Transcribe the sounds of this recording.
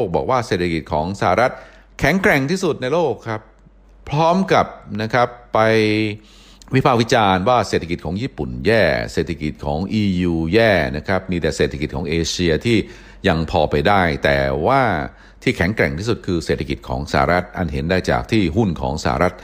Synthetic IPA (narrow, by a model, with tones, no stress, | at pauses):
o˥˩k̚bɔ̰ː˨˩k̚waː˥˩se˨˩t̪ʰːa˧ki˨˩t̪̚kʰɔː˩˦ŋsa˧a˧ɾa˦˥t̪̚ | kʰɛ˩˦ŋkɾɛ˨˩ŋt̪ʰiː˥˩su˨˩t̪̚na˧jloː˥˩kʰːɾa˦˥pʰ | ɾɔː˦˥mka˨˩pna˦˥kʰa˦˥pːa˧j | wi˦˥pʰaː˥˩k̚wi˥t͡ɕaː˧nwaː˥˩se˨˩t̪ʰa˧ki˨˩t̪̚kʰːŋjiː˥˩pu˨˩njɛː˥˩se˨˩t̪ʰa˧ki˨˩t̪̚kʰɔ̰ː˩˦ŋʔiː˧juː˧jɛː˥˩na˦˥kʰɾa˦˥p̚miː˧t̪ɛ˨˩seː˨˩t̪ʰːa˧ki˨˩t̪̚kʰɔː˩˦ʔeː˧t͡ɕʰi˧ɐt̪ʰiː˥˩ | ja˧ŋpʰɔː˧pa˧jdaː˥˩jt̪ɛ̰ː˨˩waː˥˩ | t̪ʰiː˥˩kʰɛ˨˩˦ŋkɾɛ˨˩ŋt̪iː˥˩su˨˩t̪̚kʰɯː˧seː˨˩t̪ʰːa˧ki˨˩t̪̚kʰɔ̰ː˩˦ŋsa̰ː˧˨a̰˨ɾa˦˥t̪̚ʔa˧˩nɦe˩˦ndaː˥˩jt͡ɕa̰ː˨˩k̚t̪ʰiː˥˩ɦu˥˩nkʰɔ̰ː˩˦ŋsa̰ː˧˨a̰˧ɾa˦˥t̪̚